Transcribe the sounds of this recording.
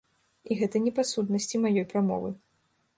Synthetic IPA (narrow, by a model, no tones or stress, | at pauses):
iɣɛt̪ɐnʲɛpasut̪nɐsʲt͡sʲimajɔjpɾamɔ̰vɨ